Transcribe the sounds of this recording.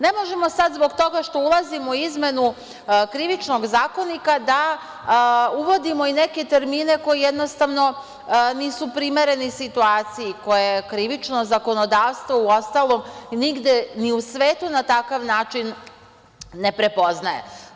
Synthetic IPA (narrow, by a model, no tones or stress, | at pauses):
ne̞mo̞ʒe̞mo̞sad̪zbo̞ɡt̪o̞ɡaʃt̪o̞ulˠazimoizme̞nu | kɾiʋit͡ʃno̞ɡzaːko̞nikad̪a | uʋo̞d̪imo̞ine̞ke̞t̪e̞ɾmiːne̞ko̞jijed̪no̞st̪aʋno̞ | niːsupɾime̞ɾe̞nisit̪uaːt̪siiko̞jekɾiʋit͡ʃno̞zako̞no̞d̪aːʋst̪ʋouo̞st̪alo̞mniɡd̪eniusʋeːt̪unat̪akaʋnaːt͡ʃinː | e̞pɾe̞po̞znajḛ